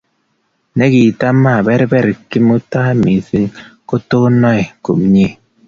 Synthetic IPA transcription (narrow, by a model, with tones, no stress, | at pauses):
ne˦ki˨ta˦mːa˦˨bɛ˦ɾbɛ˦˨ɾki˦mu˦ta˦mi˨si˦ŋko˦to˦nɔ˦i˨kṵ˨mɲe˦˨